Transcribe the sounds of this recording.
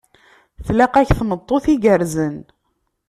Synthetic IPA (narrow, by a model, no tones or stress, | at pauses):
θlæqæçθmət̪ˤːoθiɡəɾzən